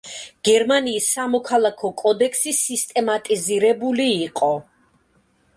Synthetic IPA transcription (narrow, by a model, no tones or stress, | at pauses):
ɡ̥ɛɾmaniːsːamɔkʰalˠakʰɔkʼɔd̪ɛkʰsisist̪ʼɛmat̪ʼiziɾɛbuliːqʼɔ